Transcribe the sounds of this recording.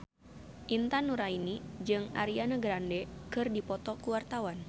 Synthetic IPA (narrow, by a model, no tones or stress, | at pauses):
ʔint̪anuɾainid͡ʒɨŋa̰ɾianaɡɾandɛkɨrdipɔt̪ɔkuwart̪awan